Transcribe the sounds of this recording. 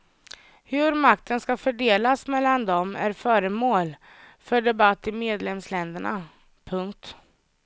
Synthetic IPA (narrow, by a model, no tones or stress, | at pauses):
hɵɾmak̚t̪ʰənskafœɖeːlasmɛlːand̪ɔmæ̰ɾfœːɾəmoːl | fœɖɛbat̪ːɪmeːd̪lɛmslɛnd̪əɳa̰ | pʰɵŋkt̪